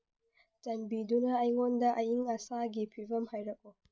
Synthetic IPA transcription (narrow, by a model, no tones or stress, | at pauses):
tɐmbiːdunaːʔajwɔndaʔajɪŋʔasaːɡʲeɸivɐmhajɾɐkʼoː